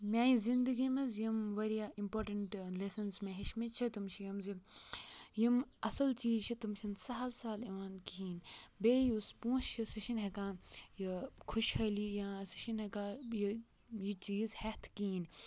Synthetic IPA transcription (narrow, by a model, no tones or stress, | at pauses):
mʲãːjizĩnd̪ɨɡimɐzjimʋeɾiaimpoːɾʈɐɳʈlesɐnsmẽɦiʃmit͡ʃʰit̪umt͡ʃʰijɐmzi | jimɐsɐlt͡ʃiːzt͡ʃʰit̪umʃinsalsaːliʋankiɦiːnbeːjuspũːst͡ʃʰisiʃinɦɐkãːjikʰuʃhɐlijãsi̥ʃinɦɐkãːji | jit͡ʃiːzhɐt̪ʰkiːn